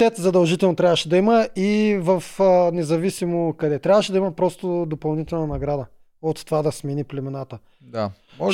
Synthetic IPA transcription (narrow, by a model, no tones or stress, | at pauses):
ɛt̪zɐd̪ɐlˠʒit̪ɛlˠnot̪ɾʲavəʃɛd̪ɐiməivɐfnɛzɐvisimokɐd̪ɛt̪ɾjavəʃɛd̪ɐimɐpɾɔst̪od̪opɐlˠnit̪ɛlˠnɐnɐɡɾad̪ə | ot̪t̪ːovad̪ɐsminiplɛmɛnat̪ə | a